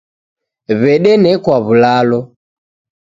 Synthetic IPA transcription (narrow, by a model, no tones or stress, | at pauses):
βɛɗɛnɛkwaβulalɔ